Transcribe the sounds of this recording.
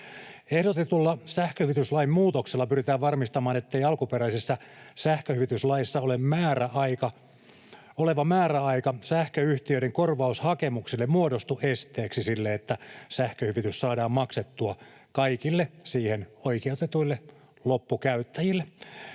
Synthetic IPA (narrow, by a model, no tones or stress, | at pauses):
ehdot̪et̪ulːɑsæhkøhyʋit̪yslɑimmuːt̪okselːɑpyrit̪æːʋʋɑrmist̪ɑmɑːnet̪ːeiɑlkupeɾæisesːɑsæhkøhyʋit̪yslɑjisːɑolemmæːræɑikɑ | oleʋɑmæːɾæɑikɑsæhkøyht̪iøiɾeŋkorʋɑushɑkemuksilːemmuodost̪uʔest̪eːksisilːeet̪ːæsæhkøhyʋit̪yssɑːdɑːmmɑkset̪ːuɑ | kɑikilːesiːhenoikieut̪et̪uilːe | lopːukæyt̪ːæjilːe